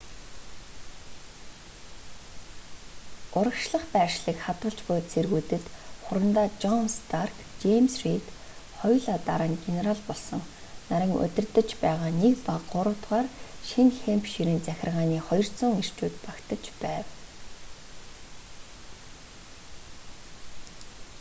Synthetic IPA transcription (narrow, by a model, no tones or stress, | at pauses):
ʊɾə̆kʃɮə̆χpæːʃɮiːkχat̪ɢə̆ɬt͡ɕpʊːt͡sʰerɣuːt̪ɘ̆t̪χʊɾə̆nt̪aːt͡ɕɔnst̪arkt͡ɕemsrit̪ | χɔjɮat̪aɾăːŋɡeneɾaɮpɔɮsɞ̆ŋ | naɾʲɪ̆ŋɵ̰t̪ʲɪ̆rt̪ə̆t͡ɕpæːʁaːnekpaqːʊɾʊ̆wt̪ʁaːrʃinxempʃiɾɘ̆nt͡sæxʲɪ̆rʁaːniːχɔjɞ̆r̥t͡sʊːŋer̥t͡ɕuːt̪pakt̪ə̆t͡ɕpæːw